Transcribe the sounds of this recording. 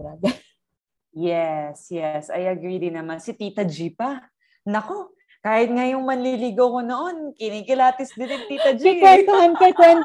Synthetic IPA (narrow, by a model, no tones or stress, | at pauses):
ɐlɐɡɐ | jɛsjɛsɐ̰jʔɐɡɾid̪ɪŋnɐmansɪt̪iːt̪ɐd͡ʒipɐ | nɐko̞ | kaːhɪt̪̚ŋajʊŋmɐnliːliːɡowko̞no̞ʔo̞nkɪnikɪlaːt̪ɪsd̪ɪnɪnt̪iːt̪ɐd͡ʒkɪwɛnt̪ohankɛkwɛn